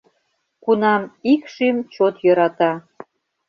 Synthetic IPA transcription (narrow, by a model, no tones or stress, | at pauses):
kunɑmikʃimt͡ɕot̪jɤɾɑt̪ɑ